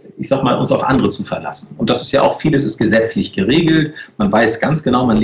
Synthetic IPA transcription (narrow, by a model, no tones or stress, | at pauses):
ʔɪçz̥aːɡəmaːlʔʊ̰nsaʊfʔa̰ndəʁət͡sufɛɐla̰sn̩ʊnt̚d̥asɪ̥stja̰ːʔa̰ʊxfiːləs̬ɪst̚ɡ̥əzɛt͡slɪçɡ̥əʁeːɡl̩tmanvaɪsɡ̥ansɡ̥ənaʊmanl